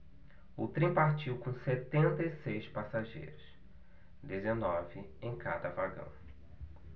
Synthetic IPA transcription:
ʊt̪ɾẽpaɾt͡ʃiwkõset̪ẽnt̪ɐisejspasaʒḛjɾʊs | d̪ezenɔvɪ | ẽj̃ka̰d̪ɐvaɡɐ̰̃w̃

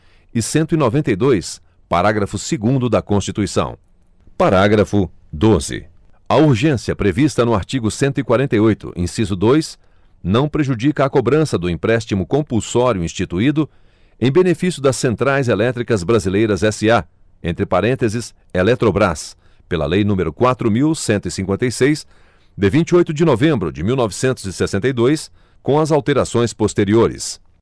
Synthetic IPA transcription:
ɪsẽnt̪ʊinovẽnt̪ejd̪ojs | paɾaɡɾɐfʊsɪɡũnd̪ʊd̪ɐkõst͡ʃit̪uisɐ̰̃w̃ | paɾaɡɾɐfʊd̪ozɪ̰ | ɐuɾʒẽsiɐpɾevist̪ɐnʊaɾt͡ʃiɡʊsẽnt̪ʊikwaɾẽnt̪ɐjojt̪ʊ̰ʔḭ̃sizʊd̪ojs | nɐ̃w̃pɾeʒud͡ʒikɐːkobɾɐ̃sɐd̪ʊĩpɾɛst͡ʃimʊkõpulsɔɾijʊĩst͡ʃit̪uid̪ʊ | ẽj̃benefisjʊd̪ɐsːẽnt̪ɾajzelɛt̪ɾikɐzbɾazilejɾɐzɛsɪa | ḛ̃nt̪ɾɪpaɾẽnt̪ezɪs | elɛt̪ɾobɾas | pelɐ̰lejnũmeɾʊkwat̪ɾʊmiwsẽnt̪ʊisĩŋkwẽnt̪ɐjsejs | d̪ɪvĩt͡ʃiojt̪ʊd͡ʒɪnovẽmbɾʊd͡ʒɪmiwnɔvɪsẽnt̪ʊzɪsesẽnt̪ɐjd̪ojs | kõɐzawt̪eɾasõj̃spost̪eɾioɾɪ̰s

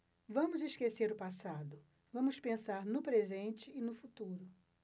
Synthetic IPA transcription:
vɐ̃mʊziʃkeseɾʊpasad̪ʊ | vɐ̃mʊspẽsaɾnʊpɾezẽnt͡ʃɪːnʊfut̪uɾʊ

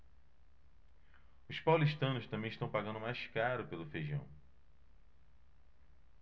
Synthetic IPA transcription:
ʊspawliʃt̪ɐ̃nʊst̪ɐ̃mbẽj̃ɪʃt̪ɐ̃w̃paɡɐ̃nd̪ʊmajskaɾʊpelʊfejʒɐ̰̃w̃

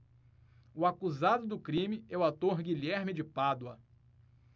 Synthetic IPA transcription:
ʊakuzad̪ʊd̪ʊkɾĩmɪɛʊat̪oɾɡiʎɛɾmɪd͡ʒɪpad̪wɐ

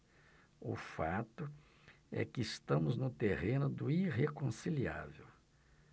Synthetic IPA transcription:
ʊ̰fat̪ʊ | ɛ̰kɪːst̪ɐ̃mʊznʊt̪ehẽnʊd̪ʊiɦekõsilia̰vew

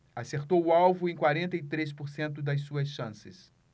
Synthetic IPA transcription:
aseɾt̪owʊawvʊẽj̃kwaɾẽnt̪ɐit̪ɾes̬poɾsẽnt̪ʊd̪ɐjsuɐsʃɐ̃sɪs

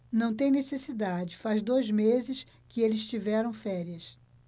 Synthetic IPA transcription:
nɐ̃w̃t̪̬ẽj̃nesesid̪ad͡ʒɪfazd̪ojzmezɪs | kɪelɪst͡ʃivɛɾɐ̃w̃fɛɾiɐs

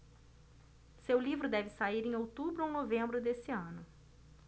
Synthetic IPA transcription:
sewlivɾʊd̪ɛvɪsaiɾẽj̃owt̪ubɾʊãw̃novẽmbɾʊd̪esɪɐ̃nʊ

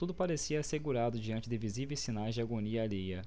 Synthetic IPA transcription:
t̪ud̪ʊpaɾesiɐːseɡuɾad̪ʊd͡ʒiɐ̃nt͡ʃɪd̪ɪvizivejsːinajzd͡ʒɪaɡoniɐːlejɐ

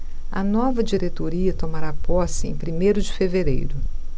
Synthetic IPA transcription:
ɐ̰nɔvɐd͡ʒiɾet̪oɾiɐt̪omaɾapɔsɪḛ̃j̃pɾimejɾʊd͡ʒɪfeveɾḛjɾʊ

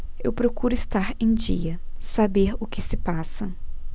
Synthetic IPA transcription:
ewpɾokuɾʊɪst̪aɾẽj̃d͡ʒiɐsabeɾʊkɪsɪpasɐ

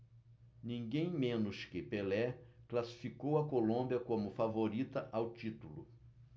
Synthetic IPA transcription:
nĩŋɡẽj̃mẽnʊʃkɪpelɛklasi̥fikowɐkolõmbiɐkõmʊfavoɾit̪ɐʔawt͡ʃit̪ulʊ̰

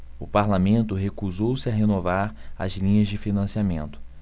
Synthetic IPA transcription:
ʊpaɾlamẽnt̪ʊɦekuzowsɪaɦenovaɾɐ̰zlĩɲɐzd͡ʒɪfinɐ̃siamḛ̃nt̪ʊ̥

